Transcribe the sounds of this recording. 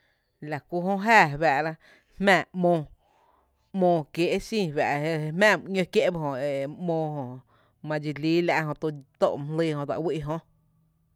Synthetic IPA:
la˨kʷu˧ɦõ˧˦ɦæː˦˨βa˨ʔla˧ | hmæ̃ː˧˨mõː˧ | mõː˧kje˨ʔe˦sĩː˦˨βa̰˨ʔe˧hmæ̃ː˦˨m˨ɲə̃˧kje˦ʔba˧ɦõ˨e˨mõː˧ɦõ˧ | mã˧d͡ʒi˧liː˦la̰˧ʔɦõ˧˨t̪o˧t̪o̰˧˨m˨lɨ˧hõ˧˨d͡za̰˨wi˦ʔɦõ˧

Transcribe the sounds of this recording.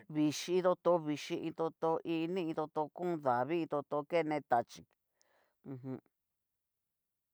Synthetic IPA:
βi˨˧ʃi˧˦˧t̪o˧t̪o˧˦βi˧ʃĩ˧ʔĩ˧t̪o˧t̪o˧ʔi˧nĩ˦ĩ˧t̪o˧t̪o˧kũ˦˧ða˨βi˦ĩ˧t̪o˧t̪o˧ke˦˨˧nẽ˧t̪a˧t͡ʃi˨˧ | ũ˧ɦũ˧

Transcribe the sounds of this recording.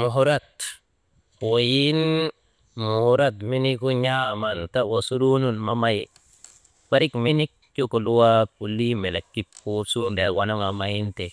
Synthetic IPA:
mu˨ɦu˦ɾa˦t̪ | wo˨ji˦n | mu˨hu˨ɾa˦t̪mi˦ni˦ku˦ɲa˦manta˦wo˨su˦ɾu˦nu˦nma˨ma˦j | wa˦ɾi˦kmini˦k̚ko˦ko˨lu˦wa˦pu˨li˦me˨la˨kːi˦p̚ko˦su˦nda˨wa˨no˦ŋa˨maji˦nte˨

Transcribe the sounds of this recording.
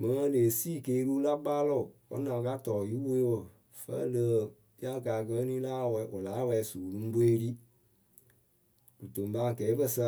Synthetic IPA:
mə̃˨˦leː˨siː˦˨keː˦ɾu˦la˦baː˦lɔ˦˨ɔ̰˦nã˨ka˦tɔ˨ji˦wo˦wə˨ | fə̰˦lə˦˨ | i˦a˦˨ka˨kə˧˦nĩ˦laː˦wɛ˧˦ʔo˨laː˨˦wɛ˧˨˦suː˨lũ˦be˦ɾi˦ | d̥u˨to˨m˨ba˦˨kɛ˨˦bə˧sa˦

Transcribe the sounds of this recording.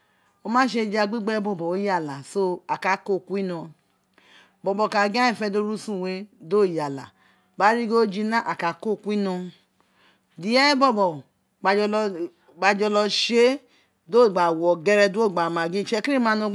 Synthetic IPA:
o˧mã˦ʃe˧˨d͡ʒa˧ɡ͡bi˦ɡ͡bɛ˦bɔ˦˨bɔ˨o˦ja˦˨la˨so˦a˨ka˨ko˦˨ku˦i˦nɔ̃˧ | bɔ˨bɔ˨ka˨ɡã˦i˦˨fɛ˧do˧ɾu˦sũ˦˨we˧do˦˨ja˨la̰˨ | ba˨˦ɾi˦ɡo˦d͡ʒi˧nã˦ʔa˨ka˨ko˦˨ku˦i˦nɔ̃˧ | di˨ɛ˦bɔ˦bɔ˨˧ | ɡ͡ba˧d͡ʒɔ˧lɔ˧ʃe˦ | do˦˨ɡ͡ba˨wɔ˨ɡɛ˧ɾɛ˧du˦o˦˨ɡ͡ba˨ma˨ɡĩ˦˨t͡ʃɛ˧ki˦i˦ma˧no˧˦

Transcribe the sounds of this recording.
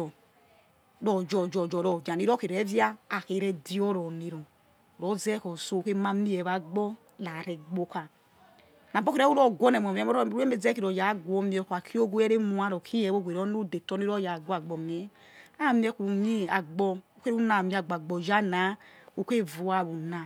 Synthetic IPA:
ɔ˨ | ɾɔ˨d͡ʒɔ˨d͡ʒɔ˨d͡ʒɔ˨ɾɔ˨d͡ʒa˨ni˦ɾɔ˦ke˨ɾɛ˨˦vjaː˦˨ke˨ɾɛ˦di˦ɔ˦ɾɔ˨ni˨ɾɔ˨ | u˨ɾɔ˦zɛ˦kɔ˨so˦u˨ke˦ma˦mi˦ɛ˨βa˨ɡ͡bɔ˦ | la˨ɾɛ˨ɡ͡bo˦ka˨ | na˨bo˦ke˦ɾɛ˦u˦ɾɔ˦˨ɡɔ˦nɛ˨m˨ɔ˨m˨ɛ˨˦ɔ˦ɾu˦e˦me˦zɛ˦ki˨ɾɔ˨ja˨˦ɡwɔ˦mi˨ɔ˨kʷa˨kʰi˦o˦ɡu˦ɛ˦ɾe˦mu˦a˦ɾɔ˨kʰi˦ɛ˨˦o˦ɡʷe˨ɾɔ˦n˦u˦de˨tɔ˦ni˦ɾɔ˦ja˨ɡɔ˦a˨ɡ͡bɔ˨mɛ˨ | a˦˨mi˦ɛ˦ku˨ɲi˦a˨ɡ͡bɔ˦u˦ke˦u˦na˨mi˨˦a˨ɡ͡ba˨ɡ͡bɔ˨d͡ʒa˦na˨˦u˦ke˦vu˨a˨βu˨na˨

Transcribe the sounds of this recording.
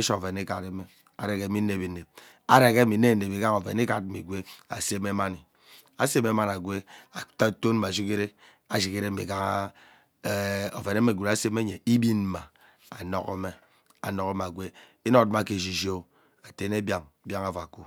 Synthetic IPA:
e˦ʃo˦˨ve˨ni˦ka˨ɾe˦me˨ | a̰˨ɾe˨ke˦mi˦ne˨bi˨ne˨b̚ | a˦ɾe˨ke˦mi˨˦e˦˨˦e˨bi˨ɡa˦ŋo˨vḛ˨ni˦ka˦˨d̩̚˦˨i˨ɡʷe˦a̰˨se˦me˦ma˦ni˨ | a˨se˦me˦ma˦na˨ɡʷe˦a˨ta˦to˦n̩˦a˨ʃ̬i˦ke˦ɾe˦ | a˨ʃi˨ke˦ɾe˦˨ḭ˨ɡa˦ŋ˦ | o˨ve˨ne˦me˦˨ɡʷe˨ɾa˦se˦me˦ɲe˨i˦bi˦n˦ma˨ | a˨no˦ko˦me˦ | a̰˨no˦ko˦ma˨ɡʷe˦ | i˦no˦kma˦˨ke˨d͡ʒi˨d͡ʒo˦ | a˨te˦ne˦bja˦˨ŋ˨bja˦ŋa˦va˨ku˦

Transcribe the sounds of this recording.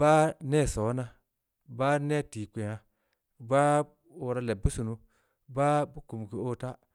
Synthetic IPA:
ba˦ne˦˨so˨˦na˦ | ba˦ne˦˨ti˨kʷe˨ja˨ | ba˦ | o˨ɾa˦le˨bu˦su˨nu˦ | ba˦bu˦ku˨m˨ki˨o˦˨ta˦

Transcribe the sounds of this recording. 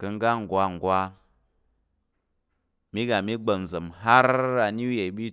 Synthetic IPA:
kə˧ŋ˦ɡa˦ŋ̩˨ɡwa˧ŋ̩˨ɡwa˦ | mi˦ɡa˨mi˦ɡ͡bə˨n˨zə˨mɦa˦ɾa˨n˦u˦je˨ɓi˦

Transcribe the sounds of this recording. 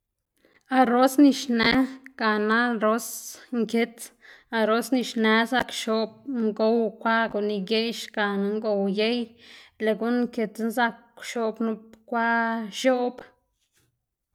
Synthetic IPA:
a˧ɾo˦sni˧ʃnɛ˦ɡ̥a˨na˦ɾo˦sŋke˦t͡s̪a˧ɾo˦sni˧ʃnɛ˧˦sa˧kʃo˨b̚ŋɡo˦wkʷa˦ɡu˨ni˧je˦jʃka˨n˦ŋɡo˧wje˦jle˨ɡu˦nŋke˧t̪nza˧kʃo˧bnu˧pkʷa˦ʃo˦ʔb

